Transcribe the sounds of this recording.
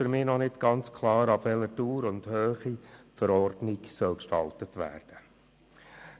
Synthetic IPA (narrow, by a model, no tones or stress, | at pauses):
fʏɾmɪːnɔnɪdɡ̥ɑnt͡skʰlɑːɾɑbʋɛlətuːɾʊnd̥høːχifəɾɔrdnɪɡsœlkʃtɑltətʋæ̰ːrd̥ə